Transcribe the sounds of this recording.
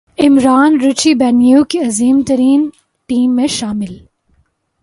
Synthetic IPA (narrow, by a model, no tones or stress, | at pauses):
ɪmɾaːnɾɪt͡ʃibɛːnjukiɐziːmt̪ɐɾiːn | ʈiːmːẽʃaːmɪl